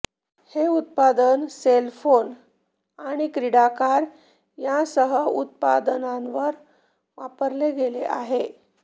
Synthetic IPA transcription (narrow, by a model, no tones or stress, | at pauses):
heut̪̚pad̪ənselfon | aɽ̃ikɾiɽakaɾ | jasəɦəut̪̚pa̰d̪ənãnʋəɾ | ʋapəɾleɡeleʔa̰ɦe